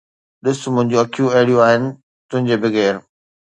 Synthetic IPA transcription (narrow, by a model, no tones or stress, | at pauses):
ɗɪsmʊ̃ɦɪ̃ɲd͡ʑoɐkʰijũɐɦɪɽijũaːɦɪnɪ̆ | t̪ʊ̃ɦɪ̃ɲd͡ʑebʱɪɣeːɾ